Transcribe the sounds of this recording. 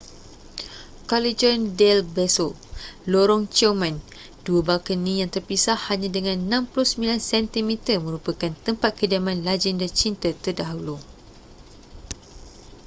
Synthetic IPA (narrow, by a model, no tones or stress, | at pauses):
kɔlid͡ʒɔndɛlbɛsɔ | loɾɔŋt͡ʃomãn | duəbalkənĩjaŋt̪ərpisahaɲãdəŋãnnãmpluhsəmilansɛnt̪imit̪əmə̃ɾupəkant̪əmpat̪̚kədamãnlad͡ʒɛndat͡ʃint̪ət̪ərdaɦulu